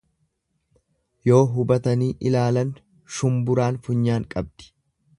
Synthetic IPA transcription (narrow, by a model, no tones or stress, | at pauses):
jo̞ːɦʊbɐt̪ɐniːʔɪlaːlɐn | ʃʊmbʊɾaːnfʊɲːaːŋkʼɐb̚d̪̥ɪ̥